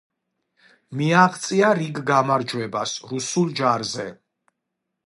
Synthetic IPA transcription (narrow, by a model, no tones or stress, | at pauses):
miaʁt̪sʼiaɾiɡɡamaɾd͡ʒwɛbasɾusulˠd͡ʒaɾzɛ